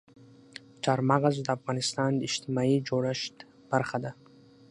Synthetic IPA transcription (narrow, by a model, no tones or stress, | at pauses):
t͡ʃʰaɾmaʁazd̪aafɣɑnist̪ɑnd̪iʃt̪ʰimaid͡ʒoɾaʃt̪ | b̥aɾχad̪a